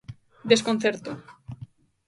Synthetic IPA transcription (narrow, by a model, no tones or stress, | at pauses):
d̪eskon̟θeɾt̪o